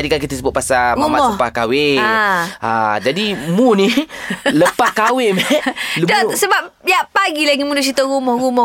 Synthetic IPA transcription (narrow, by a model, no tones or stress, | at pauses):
adikak̬it̪əsəbʊt̪̚pasaamamɔhpakawɪaa̰d͡ʒadimuniləpakawɪmɛludɔsəbapjaʔpaɡilaɡimudʊhs̬it̪ɔɣumɔhɣumɔ